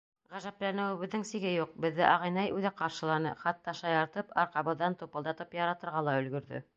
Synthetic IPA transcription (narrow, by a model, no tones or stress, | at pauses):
ʁæʒæplænɘ̆wɘ̆βɘ̆ðːɘŋsiɡɘjuq̚bɘ̆ðːɘʔɑʁɑjnɑjʉðæqɑɾʃɤ̆lˠɑnɤχɑt̪ːɑʃɑjɑɾt̪ɤpɑɾqɑβɤ̆ðːɑnt̪upɤ̆lˠd̪ɑt̪ɤpjɑɾɑt̪ɤ̆ɾʁɑlˠɑɵ̆lɡɵ̆ɾðɵ̰